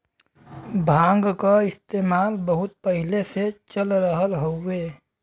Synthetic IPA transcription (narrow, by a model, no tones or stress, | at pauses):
bʱãːŋɡkaɪst̪eːmaːlbəɦʊt̪̚pəɦɪleset͡ʃəlɾəɦəlɦoeː